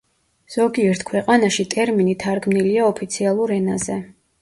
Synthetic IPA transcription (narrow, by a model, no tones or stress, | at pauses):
z̥ɔɡiɛɾt̪ʰkʰwɛqʼanaʃit̪ʼɛɾminit̪ʰaɾkmniliaɔpʰit̪sʰialˠuɾɛnazɛ